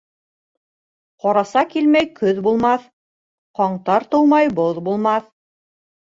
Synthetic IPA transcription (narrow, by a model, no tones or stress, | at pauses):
qɑɾɑsɑkilmæjkɵðbulˠmɑθ | qɑɴt̪ɑɾt̪owmɑjboðbulˠmɑθ